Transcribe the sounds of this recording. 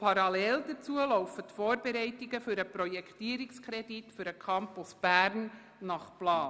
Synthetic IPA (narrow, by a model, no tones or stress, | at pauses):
pʰɑɾɑlɛld̥ət͡suəlɔʊfətfoːɾbeɾɛɪtɪɡəfyɾəpɾɔjɛkʰtiəɾɪkskʰɾɛditfyɾəkʰɑmpʊsb̥æːɾnː | ɑχplɑːn